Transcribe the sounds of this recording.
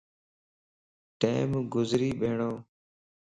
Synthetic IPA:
ʈaːɪmɡʊzɾiːɓeːɳoː

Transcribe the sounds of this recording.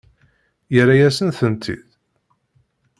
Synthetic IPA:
jərːajæsənθənt̪ʰḭð

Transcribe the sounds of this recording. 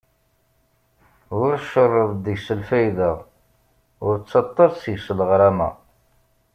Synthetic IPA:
ʊɾʃərˤːəðˤd̪əʝsəlfæjðəʁ | ʊɾt͡sːɑt̪ˤːɑɾsəjsələʁɾˤɑmæ̰

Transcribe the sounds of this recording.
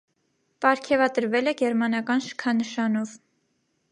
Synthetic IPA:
pɑɾkʰɛvɑt̪əɾvɛlɛɡɛɾmɑnɑkɑnʃə̥kʰɑnəʃɑnɔv

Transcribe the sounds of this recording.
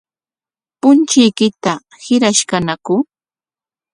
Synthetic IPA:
pʊnt͡ʃɪjkɪt̪a | hɪɾaʃkanakʊ

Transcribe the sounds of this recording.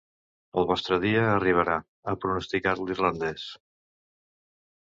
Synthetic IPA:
əlˠβɔst̪ɾəðiəːriβ̞əɾa | əpɾunust̪ikaɾlirlənd̪ɛs

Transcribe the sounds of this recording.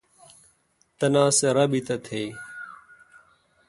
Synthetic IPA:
t̪ənãːseɾəbit̪ət̪ʰeː

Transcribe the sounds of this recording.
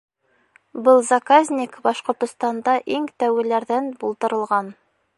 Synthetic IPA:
bɤlˠzakazʲnʲikbɑʃqŏɾt̪ŏst̪ɑnd̪ɑʔiŋt̪æwɘ̆læɾðænbulˠt̪ɤ̆ɾɤ̆lˠʁɑn

